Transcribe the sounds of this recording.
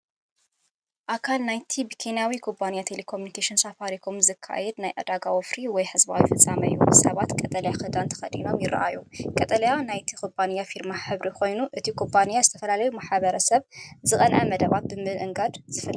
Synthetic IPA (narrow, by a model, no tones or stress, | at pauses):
ʔakʰalnajt̪ʰibɨkʰenjawikʰopʰːanijat̪ʰelekʰomjunikʰeʃinsafaɾikʰomzɨkʰːa̰jɛd̪najʔɐ̰d̪aɡawofɾiwɔjħɨzba̰wifɨt͡sʼːamɐɨjːṵsɐβat̪kʼɐt̪ʼɐlɐjaxɨd̪ant̪ʰɐ̥xɐd̪ḭno̞mjɪɾɐ̰ʔa̰jukʼɐt̪ʼɐlɐjanajt̪ʰi̥kobʰʼanijafiɾmaħɨβɾikʰo̞jnuʔɨt̪ʰikʰompʰːanijazɨt̪ʰɐfɐlalɐjumaħβɐɾɐsɐβzɨkʼɐnʕɐmɐd̪ɐβat̪̚bɨmɨʔɨŋɡad̪z̥ɨfɐl